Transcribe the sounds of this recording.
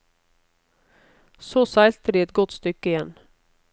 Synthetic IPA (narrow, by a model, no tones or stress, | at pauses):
soːsæɪlt̪əd̪iːɛt̪̚ɡɔt̪st̪ʏkəɪjɛn